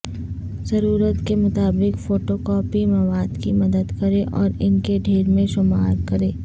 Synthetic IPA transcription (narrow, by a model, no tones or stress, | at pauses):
zɐɾuːɾət̪kemʊt̪aːbɪkfoːʈoːkɔːpimɐʋaːd̪kimɐd̪əd̪kɐɾeʔɔːɾɪnkeɖʱeːɾmẽʃʊmaːɾkɐɾeː